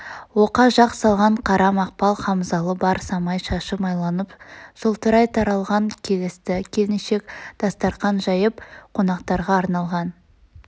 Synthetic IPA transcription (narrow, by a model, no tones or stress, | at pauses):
woqɑʒɑqsɑlˠʁɑɴqʰɑɾɑmɑq̚pɑlˠχɑmzɑlˠəbɑɾsɑmɑjʃɑʃəmɑjlˠɑnəpsolˠt̪əɾɑjt̪ʰɑɾɑlˠʁɑŋkʲʰe̞lɪst̪ɪkʲʰe̞lɪnʃe̞kd̪̥ɑst̪ɑɾt̪qɑnʒɑjəpqʰo̞nɑqt̪ɑɾʁɑːɾnɑlˠʁɑn